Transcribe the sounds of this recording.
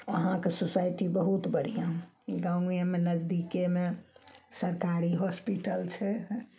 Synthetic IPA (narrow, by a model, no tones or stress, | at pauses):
əɦãkesosajʈibəɦut̪bəɽ̤ijã | ɡãɡjẽmenəd͡ʒd̪ikemesəɾkaɾiɦɔspiʈəlt͡ʃʰɛ